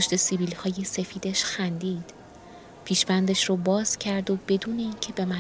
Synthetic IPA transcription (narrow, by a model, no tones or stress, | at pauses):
pʰoʃt̪esibiːlhɒːje̞se̞fiːd̪eʃxænd̪iːd̪̥ | pʰiːʃbænd̪eʃrobɒːz̥cʰæɾd̪o̞be̞d̪uːne̞iːncʰe̞be̞mæ